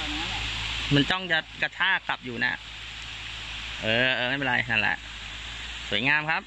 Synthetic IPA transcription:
mɯ˧˦nt͡ɕɔ˥˩ŋja˦˩t̪̚ka˧t͡ɕʰaː˥˩kla˨˩p̚juː˨˩na̰ː˧˩ | ʔɤː˧ʔɤː˧ma˥˩pːiː˧ɾa˧jna˥˩nlɛ̰˨˧˩ʔ | su˩˦jŋaː˧mkʰa˦˥p̚

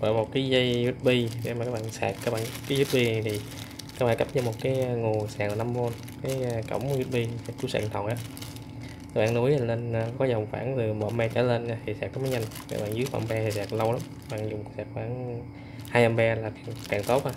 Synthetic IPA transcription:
ʔəː˧˨˩mo˨˩t̚kaː˨˦jzə˧jzu˦˥t̚ɓi˧ɗḛ˧˩m˨˩kaː˦˥ɓa̰ː˧˨nsa̰ː˨˩k̚kaː˦˥k̚ɓa̰ː˧˨nkaː˨˦jzu˦˥t̚ɓi˧˨˩t̪ʰi˨˩ | kaː˧˦k̚ɓaː˧˨kə˦˥p̚za˧˩mo˨˩t̚kaː˨˦jŋo˨˩saː˨˩ŋlaː˨˩na˧mvo˧n | kaː˨˦jkə̰˧˩wŋ͡mzu˦˥t̚ɓi˧sa˧˩kku˧˦sa̰ː˧˩ŋt̪ʰə˨˩wnʔaː˨˦ | aː˦˥ɓaː˧˨˩nu˨˦ja˨˩nle˧nː˧kɔ˨˦zə˨˩wŋ͡mfa̰ː˧˩ŋt̪ɨ˨˩mɔ̰˨˧˨mɛ˧t͡ɕa̰ː˧˩˦le˧na˧t̪ʰi˨˩saː˨˩k̪̚ːɔ˨˦maː˨˦ɲa˧jŋka̰ː˦˥kɓaː˧˨nzɨ˨˦əfa̰˧˩mɓɛ˧t̪ʰi˨˩saː˨˩k̚lə˧wla˨˦ma˦˥ɓa̰ː˧˨ŋzʊ˨˩ŋ͡msaː˨˩k̚ɓaː˧˩n | haː˧jʔa˧mɓɛ˧laː˨˩ka˨kaː˧˩ŋt̪o˦˥t̚ʔa˧˩

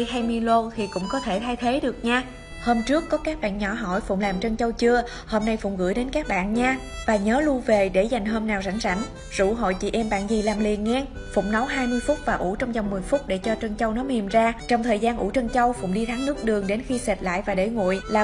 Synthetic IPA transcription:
jhaː˧jmi˧lo˧t̪ʰi˨˩kʊ̰˧˥ŋ͡mkɔ˨˦t̪ʰe˧˩t̪ʰa˧jt̪ʰe˨˦ɗɨ˨˩ək̚ɲaː˧ | hoː˧mt͡ɕɨ˦˥əkːɔ˨˦kaː˦˥k̚ɓa̰ː˧˨nɲɔ˧˩ɦɔ̰˧˩˨jfʊ̰˧˨ŋ͡mlaː˨˩mt͡ɕə˧nt͡ɕə˧wt͡ɕɨ˧ə | hoː˧mna˧jfʊ̰˧˩wŋ͡mɣɨ̰˧˥˨jɗe˨˦nkaː˦˥k̚ɓa̰ː˧˨nɲaː˧ | vaː˨˩ɲəː˨˦lu˧ve˨˩ɗe˧˩za˨˩jŋ̟ɦo˧mnaː˨˩wza̰˧˩jŋ̟sa˧˩ŋ̟ | z̥ṵ˧˩ɦo̰˧˨jt͡ɕḭ˧˩ʔɛ˧mɓa̰ː˧˨nzi˨˩laː˨˩mli˨˩ənŋɛ˧ | fʊ̰˧˩ŋ͡mnə˨˦wɦaː˧jmɨ˧əjfʊ˦˥k͡p̚vaː˨˩ʔṵ˧˩t͡ɕɔ˧wŋ͡mza˨˩wŋ͡mmɨ˨˩əjfʊ˦˥t̚ɗe˧˩t͡ɕɔ˧t͡ɕə˧nt͡ɕə˧wnɔ˨˦mi˨˩mzaː˧t͡ɕɔ˧wŋ͡mt̪ʰəː˨˩jzaː˧nʔṵ˧˩t͡ɕə˧nt͡ɕə˧wfʊ̰˧˨ŋ͡mɗi˧t̪ʰaː˨˦ŋnɨ˦˥ək̚ɗɨ˨˩əŋɗe˨˦nxi˧sɛ˨˩t̚la̰ː˧˨jvaː˨˩ɗe˧˩ŋṵ˧˨jlaː˨˩

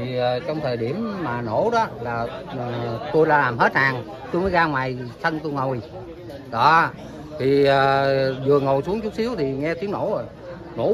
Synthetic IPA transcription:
i˨˩˨t͡ɕɔ˧wŋ͡mt̪ʰəː˨˩jɗi˧˩əmːaː˨˩no˧˩˦ɗɔ˨˦laː˨˩˨ | t̪o˧jlaː˨˧˦laː˨˩mɦe˦˥t̚haː˨˩ŋ | t̪o˧jməː˨˦jɣaː˧ŋwaː˨˩jsʰə˧nt̪o˧jŋo˨˩wj | ɗɔ˧˦ | t̪ʰi˨˩əː˨˩zɨ˨˩əŋo˨˩wjsu˨˦əŋt͡ɕʊ˦˥t̚si˨˦əwt̪ʰi˨˩ŋɛ˧t̪i˨˦əŋno̰˧˦o˨˩j | no̰˧˥

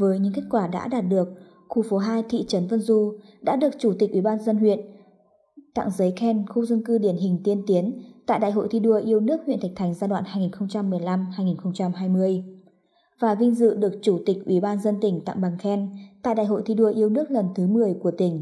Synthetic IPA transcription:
vəː˨˦jɲɨ̰˧˥ŋke˦˥k̚kwaː˧˩ɗa̰ː˧˥ɗaː˨˩t̚ɗɨ˨˩ək̚ | xu˧˩fo˨˦ɦaː˧jt̪ʰḭ˧˨t͡ɕə˨˦nvə˧nzu˧ɗa̰ː˧˥ɗɨ˨˩ək̚t͡ɕu˧˩t̪i˨˩k̚ʔwi˧˩ɓaː˧nzə˧nɦwḭ˧˨ən | t̪a̰˧˨ŋzə˨˦jxɛ˧nxu˧zə˧nkɨ˧ɗi˧˩ənɦï˨˩ŋ̟t̪i˧ənt̪i˨˦ənt̪a̰ː˧˨jɗa̰ː˧˨jɦo̰˧˨t̪ʰi˧ɗu˧˩əjʔi˧əwnɨ˦˥ək̚hḭ˧˨na˨˩k̚t̪ʰa˨˩jŋzaː˧ɗwa̰ː˧˨nhaː˧jŋi˨˩nxə˧wŋ͡mt͡ɕa˧mːɨ˨˩əjla˧mhaː˧jŋi˨˩nxə˧wŋ͡mt͡ɕa˧mɦaː˧jmɨ˧əj | vaː˨˩vï˧ŋ̟zɨ̰˧˨ɗɨ˨˩ək̚t͡ɕu˧˩t̪ï˨˩k̟̚ʔwi˧˩ɓaː˧nzə˧nt̪ï˧˩ŋ̟t̪a̰˧˨ŋɓa˨˩ŋxɛ˧nt̪a̰ː˧˨jɗa̰ː˧jɦo̰˧˨jt̪ʰi˧ɗu˧əjʔi˧əwnɨ˦˥ək̚lə˨˩nt̪ʰɨ˨˦mɨ˨˩əjku˧˩ət̪ï˧˩ŋ̟

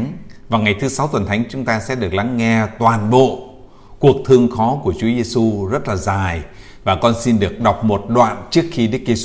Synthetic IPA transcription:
vaː˨˩ŋa˨˩jt̪ʰɨ˨˦sa˨˦wt̪wə˨˩nt̪ʰa˨˦jŋ̟t͡ɕʊ˨˦ŋ͡mt̪aː˧sɛ̰˧˥ɗɨ˨˩ək̚la˨˦ŋːɛ˧t̪waː˨˩nɓo̰˧˨ | ku˨˩ək̚t̪ʰɨ˧əŋxɔ˨˦ku˧˩ət͡ɕu˨˦ze˧su˧zə˦˥t̚laː˨˩zaː˨˩j | vaː˨˩kɔ˧nsi˧nɗɨ˨˩ək̚ɗa˨˩wk͡p̚mo˨˩t̚ɗwa̰ː˧˨nt͡ɕɨ˦˥ək̚xi˧ɗɨ˦˥k̚ze˧

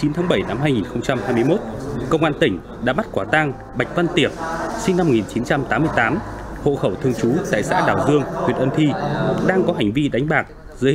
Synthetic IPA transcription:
t͡ɕi˨˦nt̪ʰaː˨˦ŋɓə˧˩jna˧mɦaː˧jŋi˨˩nxə˧wŋ͡mt͡ɕa˧mhaː˧jmɨ˧əjmo˦˥t̚kə˧wŋ͡mʔaː˧nt̪ï˧˩ŋ̟ | ɗa̰ː˧˥ma˦˥t̚kwaː˧˩t̪aː˧ŋ | ɓa˨˩jk̚va˧nt̪i˨˩əp̚si˧ŋna˧m̚ː˨˩i˨˩nt͡ɕi˨˦nt͡ɕa˧mt̪aː˨˦mɨ˧əjt̪aː˨˦m | ho̰˧˨xə˧˩wt̪ʰɨ˧əŋt͡ɕu˨˦t̪a̰ː˧˨jsa̰ː˧˥ɗaː˨˩wzɨ˧əŋtʰwi˨˩ət̚ʔə˧nt̪ʰi˧ɗaː˧ŋkɔ˨˦ɦa˨˩jŋ̟vi˧ɗa˨˦ŋ̟ɓaː˨˩k̚ | zɨ˨˦

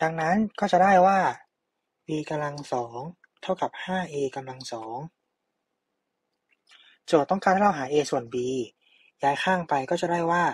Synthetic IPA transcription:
d̥aː˧ŋna˦˥nkɔː˥˩t͡ɕa˨˩daː˥˩jwaː˥˩ | biː˧ka˧mla˧ŋsɔː˩˦ŋ | t̪ʰa˥˩wka˨˩p̚haː˥˩ʔeː˧ka˧mla˧ŋsɔː˩˦ŋ | t͡ɕu˨˩t̪̚ːɔ˥˩ŋkʰaː˥˩t̪ʰaː˥˩a˧wɦaː˩˦ʔeː˧su˨˩ənbiː˧ | jaː˦˥jxʰaː˥˩ŋpa˧jkɔː˥˩t͡ɕa˨˩daː˥˩jwaː˥˩

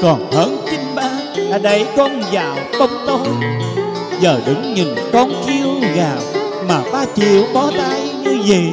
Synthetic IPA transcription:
kɔ˨˩nhəː˧˦nt͡ɕï˧ŋ̟ɓaː˧ | laː˧˩ɗə˨˧˦jkɔ˧nzaː˧˨˩wkə˧wŋ͡mt̪o˧j | zəː˨˩ɗɨ˨˦ŋɲi˨˩ŋkɔ˧nki˧əwɣaː˨˩p̚ | maː˨˩ɓaː˧t͡ɕḭ˧˨əwɓɔ˨˦t̪aː˨˦jɲɨ˧zə˨˩˨

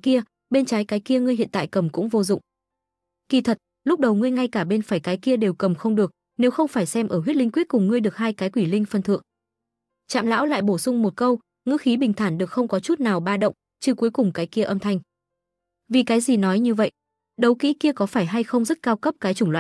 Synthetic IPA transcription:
ki˧ə | ɓe˧nt͡ɕaː˨˦jkaː˨˦jki˧əŋɨ˧əjhḭ˧˨nt̪aː˧˨jkə˨˩mkʊ̰˧˥ŋ͡mvo˧zʊ̰˧˨ŋ͡m | ki˧˩t̪ʰə˨˩t̚ | lʊ˦˥k͡p̚ɗə˨˩wŋɨ˧əjŋa˧jkaː˧˩ɓe˧nfaː˧˩jkaː˨˦jki˧əɗe˨˩wkə˨˩mxə˧wŋ͡mɗɨ˨˩ək̚ | ne˨˦wxə˧wŋ͡mfaː˧˩jsɛ˧mʔəː˧˩ɦwi˦˥t̚lï˧ŋ̟kwi˦˥t̚kʊ˨˩ŋ͡mŋɨ˧əjɗɨ˨˩ək̚haː˧jkaː˨˦jkwi˧˩lï˧ŋ̟fə˧nt̪ʰɨ̰˧˨əŋ | t͡ɕa̰ː˧˨mla̰ː˧˥wla̰ː˧˨jɓo˧˩sʊ˧ŋ͡mmo˨˩t̚kə˧w | ŋɨ̰˧˥xi˨˦ɓï˨˩ŋt̪ʰaː˧˩nɗɨ˨˩ək̚xə˧wŋ͡mkɔ˨˦t͡ɕu˦˥t̚naː˨˩wɓaː˧ɗə̰˧˨wŋ͡m | t͡ɕɨ˧ku˨˦jkʊ˨˩ŋ͡mkaː˨˦jki˧əʔə˧mt̪ʰa˧jŋ̟ | vi˨˩kaː˨˦jzi˨˩nɔ˨˦jɲɨ˧və̰˧˨j | ɗə˨˦wkḭ˧˥ki˧əkɔ˨˦faː˧˩jɦa˧jxə˧wŋ͡mzə˦˥t̚kaː˧wkə˦˥p̚kaː˨˦jt͡ɕʊ˧˩ŋ͡mlwa̰ː˧˨

